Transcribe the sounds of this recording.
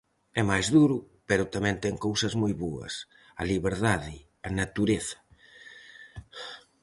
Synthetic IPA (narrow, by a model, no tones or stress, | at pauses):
ɛmajzðuɾʊ | pɛɾʊt̪amɛ̃nt̪ɛŋkowsɐzmojβoɐ̰s | ɐliβeɾðaðɪ | ɐnat̪uɾeθɐ̥